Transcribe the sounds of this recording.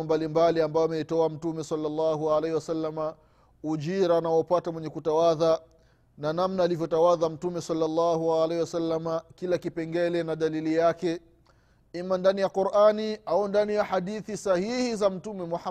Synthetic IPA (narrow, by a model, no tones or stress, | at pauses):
mbalimbaliambajɔamɛitɔam̩tumɛsalːalːɑɦualɛhiwasalːama | ud͡ʒiɾanaɔpatamwɛɲɛkutawaða | nanamnaːlivjɔtawaðam̩tumɛsalːalːɑɦualɛhiwasalːamakilakipɛŋɡɛlɛnaɗalilijakɛ | imandanijaquɾʔaniaundanijaħaɗiθisahihizam̩tumɛmuħa